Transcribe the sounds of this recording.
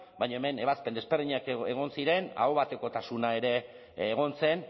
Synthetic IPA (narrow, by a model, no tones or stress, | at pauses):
bajɲaeme̞ne̞βaspe̞nd̪ezbeɾðiɲakeɣ̞o̞nsiɾe̞na̰oβat̪e̞ko̞t̪asunae̞ɾe̞ː | ɣ̞o̞nse̞n